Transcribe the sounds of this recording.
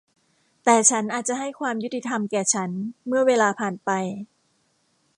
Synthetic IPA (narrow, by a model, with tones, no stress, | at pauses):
t̪ɛː˨˩t͡ɕʰa˦˥nʔaː˨˩t̪̚t͡ɕa˨˩ɦa˥˩jkʰwaː˧mju˦˥t̪i˧t̪ʰa˧mkɛː˨˩t͡ɕʰa˦˥nmɯ˥˩ɐweː˧laː˧pʰaː˨˩npa˧j